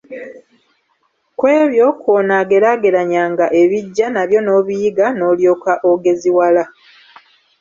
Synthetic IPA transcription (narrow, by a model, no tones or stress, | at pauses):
kwe̞ːβjo̞konaɡe̞ɾaɡe̞ɾaɲaːŋɡaʔe̞βiɟːanaβjo̞no̞ːβijiɡano̞ːljo̞ːkaʔoɡe̞ziwala